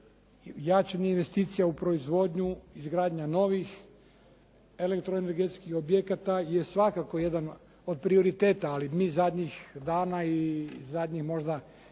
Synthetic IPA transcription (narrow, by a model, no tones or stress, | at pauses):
jat͡ʃaɲeinʋe̞st̪iːt̪sijaupɾo̞izʋo̞ːd̪ɲuizɡɾaːd̪ɲano̞ʋix | e̞le̞kt̪ɾoeneɾɡet̪skixobjekat̪ajesʋakako̞jed̪an | od̪̚pɾio̞ɾit̪e̞ːt̪aːlimiːzad̪ɲixd̪aːnaizad̪ɲixmo̞ʒd̪a